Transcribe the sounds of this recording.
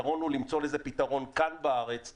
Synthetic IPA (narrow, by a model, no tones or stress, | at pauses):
ʁo̞nulimt͡so̞lezepitaʁo̞nkanbaaʁet͡s